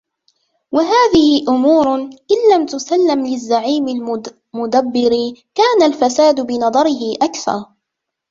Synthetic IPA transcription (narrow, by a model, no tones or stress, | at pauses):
waɦaːðɪhɪʔʊmuːɾʔɪnːamt̪ʊsalːɪmlɪzːaʕiːmɪl | mʊd̪abːɪɾikaːnalfasaːd̪bɪnɑðˤɑɾɪɦɪʔakθɑ̰ɾˤ